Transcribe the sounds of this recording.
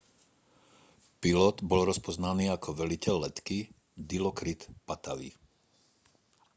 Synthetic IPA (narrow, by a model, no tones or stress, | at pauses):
pilɔd̪bɔlɾɔspɔznaniːakʰɔʋɛlicɛlːɛt̪ki | d̪ilɔkɾit̪pat̪aʋḭ